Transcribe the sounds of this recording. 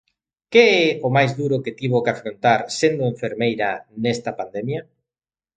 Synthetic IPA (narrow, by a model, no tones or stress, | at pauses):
keɛomajzðuɾʊket̪iβokafɾont̪aɾsend̪oeɱfeɾmejɾɐnɛst̪ɐpand̪emja